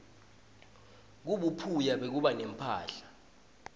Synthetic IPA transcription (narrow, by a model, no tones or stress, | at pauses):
k̬uɓupʰujaɓek̬uɓanɛm̩pʰa̰ːɬḁ